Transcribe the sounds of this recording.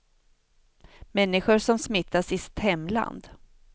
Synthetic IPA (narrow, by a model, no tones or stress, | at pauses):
mɛnːɪɧʊɾʂɔmsmɪt̪ʰːasɪst̪hɛmːla̰nd̪